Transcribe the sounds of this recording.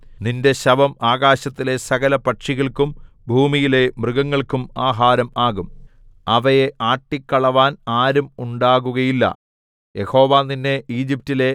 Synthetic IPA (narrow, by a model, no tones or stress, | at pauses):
ninde̞ɕɐbɐmaːɣaːɕɐt̪ːile̞sɐɣɐlɐpɐʈʂiɣɐɭkum | bʱuːmijile̞mrɨɣɐŋːɐɭkumaːɦaːɾɐmaːɣum | ɐʋɐjeʔaːʈːikːɐɭɐʋaːnaːɾumuɳɖaːɣuɣɐjilːɐ̰ | je̞ho̞ːʋaːninːe̞iːd͡ʑip̚tile̞